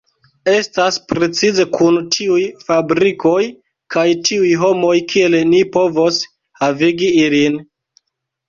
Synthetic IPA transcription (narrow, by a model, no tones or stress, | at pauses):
e̞staspɾe̞t͡size̞kʰuntʰiujfabɾiko̞j | kʰajtʰiujɦo̞mo̞jkʰie̞lnipo̞vo̞s | haviɡiilin